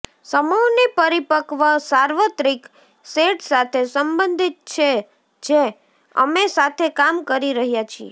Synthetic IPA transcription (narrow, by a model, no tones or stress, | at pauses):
səmownipəɾipəkʋəsaɾʋət̪ɾik | seʈsat̪ʰesəmbənd̪ʱit̪̚t͡ʃʰe | d͡ʒe | ə̰mesat̪ʰekamkəɾiɾəɦjat͡ʃʰiḛ